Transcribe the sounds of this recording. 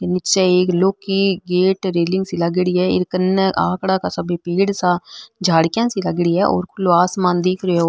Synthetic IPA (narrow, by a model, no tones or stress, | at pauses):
t̪eːnɪt͡ʃɛːeːkloːkiːɡeːʈɾeːlɪ̃ŋɡsiːləɡɽiːɛːɪ̰ɾkənːɛːʔaːkɽaːkaːsəbeːpiːɽsaːd͡ʒʱaːɽkjãːsiːləɡɽiːɛːʔo̰ːɾkʰʊlːoːaːsmãːnd̪iːkʰɾeːoː